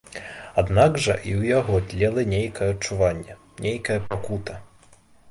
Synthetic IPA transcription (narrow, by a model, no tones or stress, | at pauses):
ad̪naɡʐɐʔiwjaɣɔd̪ʲlʲɛlˠɐnʲejkɐjɐɐtt͡ʂuvanʲːɛ | nʲejkɐjɐpakut̪ɐ